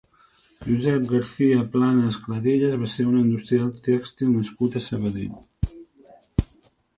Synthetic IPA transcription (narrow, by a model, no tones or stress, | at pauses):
ʒuzɛp̚ɡəɾθiəplanəːskləðeʎəzβaseɾunəind̪ust̪ɾialˠt̪ɛkst̪ilˠnəskut̪əsəβ̞əðḛʎ